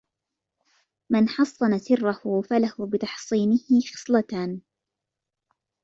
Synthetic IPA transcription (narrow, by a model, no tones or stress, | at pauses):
manħɑsˤːɑnasɪrːahʊfalahʊbɪt̪ɑħsˤiːnɪhɪxɑ̥sˤlat̪aːn